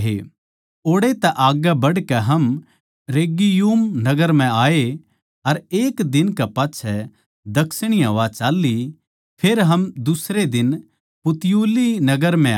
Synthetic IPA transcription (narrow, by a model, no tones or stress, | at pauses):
ɦḛ | oːɽet̪ɛʔaːɡabɐɽkɛɦɐm | ɾeːɡijuːmnɐɡəɾm̤ɛ̃aːe | ɐɾeːkd̪ɪnkɛpaːtːʃʰɛ | d̪ɐkʰsɽ̃ijãʋat͡ʃaːlːi | pʰeːɾɦɐmd̪ʊsɾed̪ɪn | pʊt̪ɪjuːlinɐɡəɾm̤ɛ̃